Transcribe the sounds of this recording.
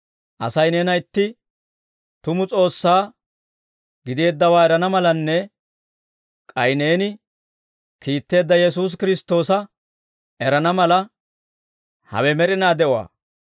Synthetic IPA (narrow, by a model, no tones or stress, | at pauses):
ʔɐ̰sɐjneːnɐɪt̪ːɪ | t̪ʊmʊt͡sʼo̞ːsːaː | ɡɪd̪e̞ːd̪ːɐwaːɛɾɐnɐmɐlɐnːɛ | kʼɐjne̞ːnɪ | kiːt̪ːe̞ːd̪ːɐjɛs̬uːs̬kɪɾɪst̪ːo̞ːsɐ | ɛɾɐnɐmɐlɐ | hɐ̰wɛmɛɾɪnaːd̪ɛʔʊwa̰ː